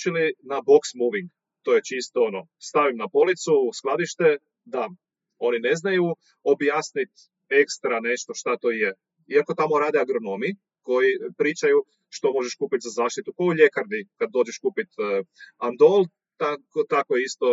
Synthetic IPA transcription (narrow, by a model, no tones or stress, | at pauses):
t͡ʃilinabo̞ksmuʋiŋɡ | t̪oje̞t͡ʃist̪oono | st̪aʋimnapo̞lit̪susklˠad̪iʃt̪e̞ | d̪a | o̞nine̞znaju | objaːsnit̪ | e̞kst̪ɾane̞ʃt̪o̞ʃt̪at̪oje | iako̞t̪amo̞ɾaːd̪eaɡɾo̞no̞mi | ko̞jipɾiːt͡ʃaju | ʃt̪o̞mo̞ʒeʃkuːpit̪zazaːʃt̪it̪ukouʎe̞kaɾd̪ikad̪̚ːo̞ːd͡ʒeʃkupit̪and̪olˠ | t̪akot̪akojeist̪o̞